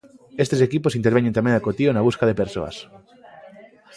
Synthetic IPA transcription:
est̪esekiposint̪eɾβeɲẽnt̪amẽŋakot̪ionaβ̞uskaðepeɾso̰a̰s

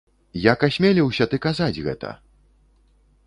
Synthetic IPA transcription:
jakasʲmʲelʲiwsʲɐt̪ɨkazad͡zʲɣɛ̰t̪ɐ̰

